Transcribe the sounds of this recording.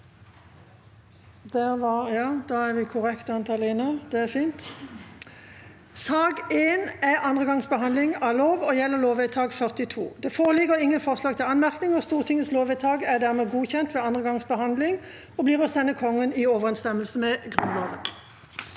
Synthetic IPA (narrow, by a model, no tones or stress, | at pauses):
d̪̥ɛʋɑjɑːd̪ɑæʁʋɪkʰʊʁɛkt̪ɑnt̪ʰɑːleːnəd̪̥ɛæfiːnt̪ | sɑːɡeːnæɑnd̪ʁəɡɑŋsbəɦɑnd̪lɪŋɑloːʋɔjɛlːəʁloːʋɛt̪ʰɑːɡfœʁt̪ɪt̪ʰṵːd̪ɛfoːʁəlɪɡəʁɪŋːənfɔʁslɑːɡ̚t̪ʰɪlɑnmæʁknɪŋɔst̪uːʁt̪ʰɪŋəsloːʋɛt̪ʰɑːɡæʁd̪æːʁmɛːɡuːçɛnt̪ʋɛːɑnd̪ʁəɡɑŋsbəɦɑnd̪lɪŋ | ɔbliːʁɔsɛnːəkʰɔŋːənɪɔʋəʁɛnst̪ɛməlsəmɛɡʁʉnlɑːʋən